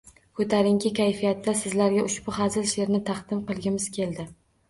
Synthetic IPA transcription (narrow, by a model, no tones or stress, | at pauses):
kʰɵt̪ʰaɾɪŋkʲʰɪkʲʰajfijat̪ːasɪzlaɾɡʲaʊʃbʊɦazɪlʃe̞ɾnɪt̪ʰaχd̪ɪmqɨlˠɡʲɪmɪz̥kʲʰe̞ld̪ɪ